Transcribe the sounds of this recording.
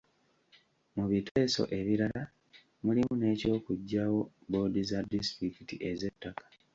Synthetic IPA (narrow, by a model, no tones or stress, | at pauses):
muβitʰe̞ːso̞̰ʔe̞βiɾala | mulimune̞ːco̞ːkuɟːaːwo̞bo̞ːdizadistɾikitiʔe̞ze̞tːakḁ